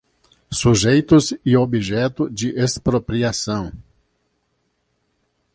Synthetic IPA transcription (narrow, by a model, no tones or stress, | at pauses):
suʒejt̪ʊzɪobiʒɛt̪ʊd͡ʒɪʔespɾopɾiasɐ̃w̃